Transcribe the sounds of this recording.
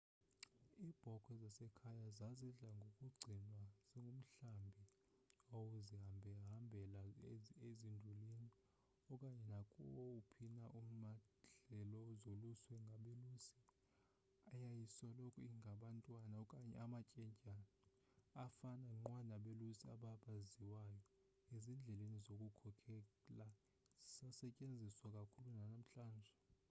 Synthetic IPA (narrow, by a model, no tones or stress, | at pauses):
iːb̥ʱɔkʰʼwɛzasɛkʰajazazɛɮaŋɡʱokʼuɡ͡ǀʱinwaz̥iŋɡʱum̩ɬambʱi | owuziɦambʱɛɦambʱɛlaezindʱulini | ɔkʼaɲɛnakʼɔ̰upʰinaʔuma | ɮɛlɔzoluswɛŋɡʱaɓelusi̥ | ajajiswalokʰɔiŋʱaɓantʼwanaɔkʼaɲɛ̰amat͡ʃʼɛɲcʼan | afanaŋ͡ǃwanaɓelusiaɓaɓaziwajɔ | ezind͡ɮʱɛlenizokʼukʰɔkʰɛla | zisasɛcʼend͡zʱiswakʼakʰulunanam̩ɬaːnd͡ʒʱɛ